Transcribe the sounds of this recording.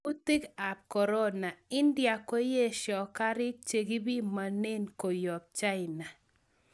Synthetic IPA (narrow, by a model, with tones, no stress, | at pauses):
u˦ti˦ka˨p̚kɔ˨ɾɔ˦na˨ɪ˦ndja˨ko˦je˦ʃɔ˨ka˦ɾɪ˦t͡ʃe˨ɡi˦bi˦ma˨ne˦nko˨jɔ˨b̚t͡ʃa˦ɪ˨na˨